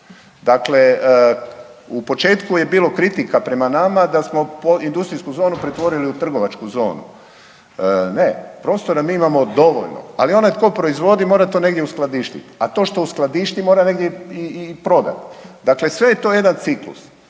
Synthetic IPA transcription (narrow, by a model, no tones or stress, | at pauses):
d̪akle̞ | upo̞t͡ʃe̞ːt̪kuje̞biːlo̞kɾit̪ikapɾe̞manamad̪asmo̞poind̪ust̪ɾijskuzo̞ːnupɾet̪ʋo̞ɾiliut̪r̩ɡo̞ʋat͡ʃkuzo̞̰ːnṵ | ne̞pɾo̞ːst̪oɾamiːimamo̞d̪o̞ʋo̰ʎno̰a̰lio̞najt̪ko̞pɾo̞izʋo̞d̪imo̞ːɾat̪one̞ɡd̪ʲjeusklˠad̪iːʃt̪ḭt̪at̪o̞ːʃt̪o̞usklˠad̪iʃt̪imoɾaneɡd̪jeiipɾo̞d̪a̰t̪d̪akle̞sʋe̞jet̪o̞ːje̞d̪ant̪siklṵs